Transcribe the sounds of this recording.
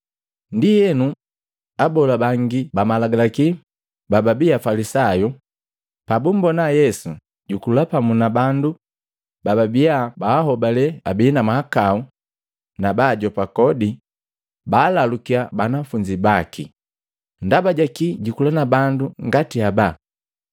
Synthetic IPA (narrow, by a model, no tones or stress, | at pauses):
ndijɛnu | abɔlabaŋɡibamalaɡalaki | bababiafalisaju | pabum̩bɔnajɛsu | ɟukulapamunabandu | bababiabaːɦɔbalɛa̰binamahakau | nabaːɟɔpakɔdi | baːlalukiabanafuɲd͡ʒibakʰḭ | ndabaɟakiɟukulanabanduŋɡatiaba